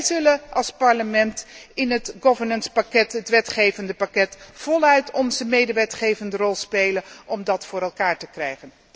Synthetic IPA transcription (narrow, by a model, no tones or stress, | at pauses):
jzɵləʔɑlˠspɑɹləmɛntɪnɦətɡɔvəɹnənspakɛtɦətʋɛtχejvəndəpakɛtv̥ɔlˠœɥtʰɔnzəmejdəʋɛtχejvəndərɔlˠspejlənʔɔmdɑtfʊːɾɛlˠkaːɹtəkrɛjχən